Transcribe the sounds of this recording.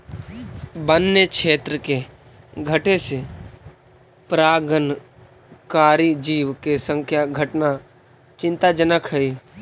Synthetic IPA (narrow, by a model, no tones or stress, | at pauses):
bənːekt͡ʃʰeːt̪ɾəke | ɡʱəʈese | pɾaːɡən | kaːɾid͡ʒiːʋkesə̃ŋkʰjaɡʱəʈna | t͡ʃɪ̃nt̪ad͡ʒənəkʰɦəiː